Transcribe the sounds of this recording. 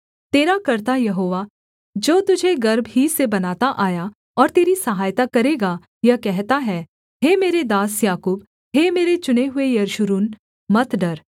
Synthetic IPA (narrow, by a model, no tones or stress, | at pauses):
t̪eːɾakɐɾt̪ajɐɦoːʋa | d͡ʒoːt̪ʊd͡ʒʱeɡɐɾbɦisebɐnaːt̪aʔaːja | ɔːɾt̪eːɾisɐɦaːjt̪akɐɾeːɡa | jɐkɛɦt̪aɦɛː | ɦeːmeːɾed̪aːsjaːkuːb | ɦeːmeːɾet͡ʃʊneɦʊejɐɾʊʃʊɾuːn | mɐt̪ʰɖɐɾ